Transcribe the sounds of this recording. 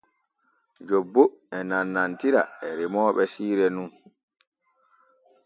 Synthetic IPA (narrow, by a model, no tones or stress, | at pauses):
d͡ʒɔbːoɛnanːantiɾa̰ɛɾimɔːɓɛsiːɾɛnun